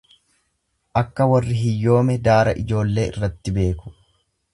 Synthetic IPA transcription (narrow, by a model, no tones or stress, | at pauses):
ʔɐkːɐwɐrːɪɦɪjːo̞ːmɛd̪aːɾɐʔɪ̰d͡ʒo̞ːlːe̞ːʔɪ̰rːɐt̪ːɪbe̞ːkʊ̥